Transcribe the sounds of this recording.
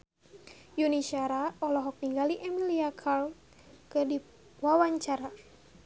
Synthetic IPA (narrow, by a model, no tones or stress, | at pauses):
juniʃaɾaɔlɔɦɔk̚niŋɡaliʔɛmiliakʰal | kədi | wawaɲt͡ʃaɾa